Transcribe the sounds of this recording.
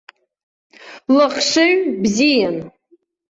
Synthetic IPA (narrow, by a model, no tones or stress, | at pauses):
laχʂɨɥbzijan